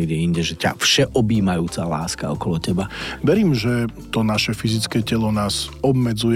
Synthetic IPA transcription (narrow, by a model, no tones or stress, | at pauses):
ɛɡɟɛiɲɟɛʒɛca̰fʃɛʔɔbiːmajuːt͡sala̰ːska̰ɔkɔlɔcɛbaʋɛɾiːmʒɛt̪ɔnaʃɛfizit͡skɛːcɛlɔnaːzɔbmɛd͡zuj